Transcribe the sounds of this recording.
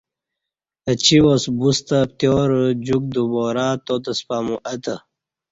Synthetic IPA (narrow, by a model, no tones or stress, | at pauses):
ət͡ɕʰiwosbust̪ət̪joːɾd͡ʑuk̚d̪uboːɾaːt̪ot̪ɐspaːmuʔɐt̪ə